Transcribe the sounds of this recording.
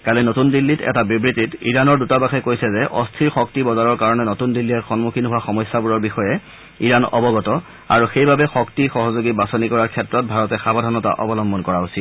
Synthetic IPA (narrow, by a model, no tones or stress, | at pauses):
kalinotundilːitɛ̰tabibɹititḭɹanɔɹdutabaxɛkojsɛzɛʔɔ̰stʰiɹxɔk̚tibɔzaɹɔɹkaɹɔnɛnotundilːiɛtxɔnmukʰinɦʊwaxɔmɔsːabuɹɔɹbixɔjɛ | iɹanɔ̰bɔɡɔtɔ | a̰ɹuxejbabɛxɔktixɔɦɔzoɡibasɔnikɔɹaɹkʰɛtɹɔt̚bʱaɹɔtɛxabɔdʱanɔta̰ʔɔ̰bɔlɔmbɔnkɔɹaɦosil